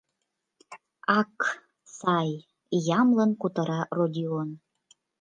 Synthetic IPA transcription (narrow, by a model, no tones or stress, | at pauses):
ɑk | sɑj | jɑmlɤ̆nkut̪ɤ̆ɾɑrodʲion